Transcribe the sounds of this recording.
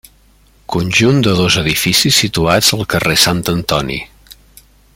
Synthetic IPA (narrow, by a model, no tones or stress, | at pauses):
kunʲʒund̪əðozəðifisisːit̪uaz̥əlˠkəresant̪ənt̪ɔnḭ